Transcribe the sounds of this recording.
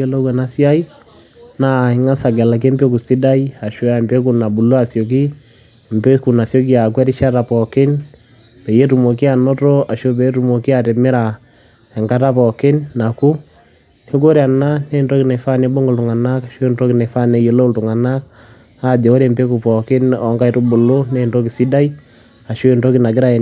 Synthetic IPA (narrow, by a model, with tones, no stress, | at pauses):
e˦lo˦kwɛ˨na˦si˦a˦i˦ | na˦ɪ˨ŋa˦sa˨ɡɛ˨la˨k̬e˦mbe˦k̬u˨si˦da˦i˦a˨ʃo˦a˨mpe˦k̬u˨na˨bu˨lo˦a˨sjo˨k̬i˦ | m̩˨pe˦ku˨na˨sjɔ˦k̬i˦a˨kwɛ˦ɾɪ˦ʃa˦ta˨pɔ˨kɪ˦n | pɛ˨je˦tu˨mo˨ki˦a˨nɔ˦tɔ˦a˨ʃo˦b̬ɛ˨˦tu˨mo˨ki˦a˨tɛ˨mɪ˦ɾa˨ | ɛ˨ŋka˦ta˦pɔ˨kɪ˦nːa˨ku˦ | ni˦ko˦ɾa˨na˦ne˦˨nto˦ki˦na˨fa˦ne˦bo˦ŋɡɔ˨ltʊ˨ŋa˨na˦ka˨ʃo˦e˦˨nto˦ki˦ne˨fa˦ne˨je˨lo˦u˦ltu˨ŋa˨na˦k̚ | a˦de˨o˦ɾe˨mpe˦ku˨pɔ˨kɪ˦nɔ˨˦ŋka˦i˨tu˦bu˨lo˦ne˦nto˦ki˨si˦da˦i˦ | a˨ʃo˦e˨nto˦ki˦na˨ɡɪ˦ɾa˦˨